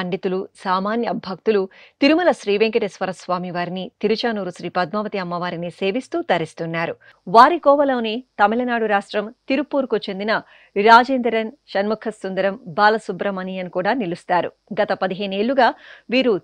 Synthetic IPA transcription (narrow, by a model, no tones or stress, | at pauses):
ɐɳɖit̪ulusaːmaːnjɐbʱɐk̚t̪ulut̪iɾumɐlɐʃɾiːʋeŋkɐʈesʋɐɾɐsʋaːmiʋaːɾinit̪iɾut͡ʃaːnuːɾuʃɾiːpɐd̪̚maːʋɐt̪iɐmːɐʋaːɾinise̞ːʋist̪uːt̪ɐɾist̪unːaːɾṵ | ʋaːɾikɔːʋɐloːneːt̪ɐmilɐnaːɽuɾaːʂʈɾɐmt̪iɾupːuːɾkut͡ʃend̪inɐ | ɾaːd͡ʒeːnd̪ɐɾɐnʃɐnmukʰɐsːund̪ɐɾɐmbaːlɐsubɾɐmɐnijɐnkuːɽaːnilust̪aːɾṵ | ɡɐt̪ɐpɐd̪iɦɐːneːɭːuɡaːʋiːɾu